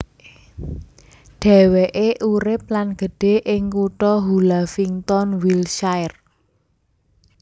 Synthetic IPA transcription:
ɖ̥ɛ̤weʔeʔuɾɪp̚lanɡ̥ə̤ɖ̥e̤ʔɪŋkuʈɔɦulafiŋt̪ɔnwilʃajr

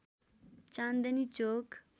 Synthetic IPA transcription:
t͡ɕand̪ənit͡ɕok

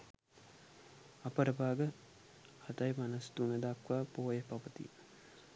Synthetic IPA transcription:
ɐpəɾəbaːɡə | hɐt̪ajmanɐst̪unəd̪akʋaːpoːjəpapət̪ḭ

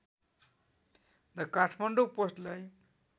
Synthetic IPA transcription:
d̪ʌkaʈʰmʌɳɖoposʈlaj

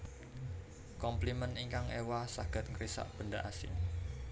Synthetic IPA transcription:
kɔmpliməniŋkaŋewasaɡ̥ə̤t̪̚ŋɾisa̰ʔb̥ə̤ndaʔasɪ̰ŋ

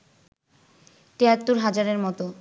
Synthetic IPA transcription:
ʈeat̪ːoɾɦad͡ʑaɾeɾmɔt̪o

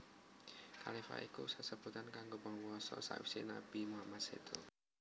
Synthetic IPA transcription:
ka̰lifa̰ʔikṵsasəb̥ut̪ankaŋɡopɔŋwɔsɔ̰sa̰ḭfsinab̥imuɦamat̪̚set̪o

